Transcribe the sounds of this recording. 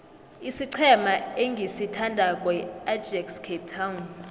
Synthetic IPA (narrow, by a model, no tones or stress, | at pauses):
isiǀʰɛmaeŋɡʱisitʰandʱakʼwɛad͡ʒɛkskʰep̚tʰawn